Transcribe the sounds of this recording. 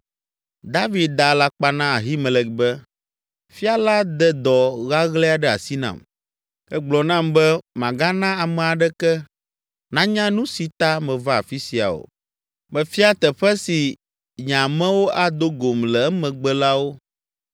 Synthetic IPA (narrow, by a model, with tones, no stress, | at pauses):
d̪a˦vi˨˦d̪̚d̪a˨la˦k͡pa˦nã˦a˨ɦi˦mɛ̃˨lɛ˨bɛ˦ | fi˦a˨la˦d̪ɛ˨d̪ɔ˨ɣa˦ɣlɛ˦a˨ɖɛ˦a̰˨si˦nã̰˨m | ɛ˦ɡ͡blɔ˨nã˦mbɛ˦mã˨ɡa˦nã˦a˨mɛ̃˨a˨ɖɛ˦kɛ˦ | nã˦ɲã˦nũ˦si˨t̪a˦mɛ̃˨va˦a̰˨fi˦si˨a̰˨o̰˨ | mɛ̃˨fi˦a˦t̪ɛ˨ɸɛ˦si˨ | ɲã˨mɛ̃˦wo˦ʔa˦d̪o˦ɡo˨mlɛ˨ɛ˦mɛ̃˨ɡ͡bɛ˦la˦wo˦